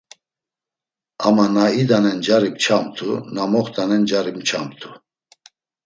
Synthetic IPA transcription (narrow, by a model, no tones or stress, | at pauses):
amanaid̪anɛnd͡ʒaɾipt͡ʃʰamt̪ʰunamɔχt̪anɛnd͡ʒaɾimt͡ʃʰa̰mt̪ʰu